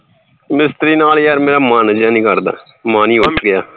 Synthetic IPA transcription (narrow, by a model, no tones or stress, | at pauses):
mɪst̪ɾiːnaːljaːɾmeːɾaːmaːnd͡ʒãːnĩːkəɾd̪a̰ː | maːniːʋaɡɪjaː